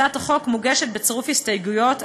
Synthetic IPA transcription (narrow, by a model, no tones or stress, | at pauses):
ataχo̞kmuɡeʃet̚bet͡seʁufhistajɡujo̞t